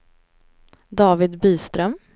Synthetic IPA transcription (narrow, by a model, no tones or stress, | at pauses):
d̪ɑːvɪd̪byːst̪ɾœm